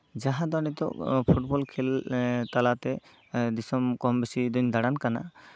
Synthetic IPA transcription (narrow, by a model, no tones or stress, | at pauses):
d͡ʒaɦãd̪ɔnɛt̪ɔ̰ʔpʰuʈ̚bɔlkʰɛlt̪alat̪ɛ | d̪isɔmkɔmbisid̪ɔɲd̪aɽankana̰